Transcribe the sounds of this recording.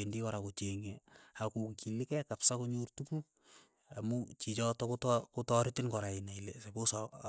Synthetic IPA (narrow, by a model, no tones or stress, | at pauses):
endikɔɾakot͡ʃeŋeakuŋkʰilikɛkapsakoɲurtuku | amut͡ʃit͡ʃɔtɔkotkotɔɾɪtɪnkɔɾainailesebosɔ